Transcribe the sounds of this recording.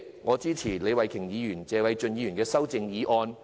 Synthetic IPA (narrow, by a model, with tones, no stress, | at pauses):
ŋɔː˨˧t͡siː˥t͡sʰiː˨˩le˨˧jwɐ˨˩jkʰɪ˨˩ŋjiː˨˧jyː˨˩nt͡sɛː˨˧wɐ˨˧jt͡ʃɵ˧njiː˨˧jyː˨˩nkɛː˧sɐ˥wt͡sɪ˧ŋjiː˨˧ʔɔː˧n